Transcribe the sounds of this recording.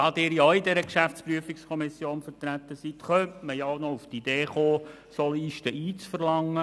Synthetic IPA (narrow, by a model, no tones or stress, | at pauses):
ɑt̪ɪːɾjɔidɛɾəkʃæftt͡spɾyəfikskʰɔmisjoːnfəɾt̪ɾæt̪ːəsit̪χœntməjaɔʊnɔuftid̥̪eːχoː | sɔliʃtəʔiːt͡sfəɾlɑŋːə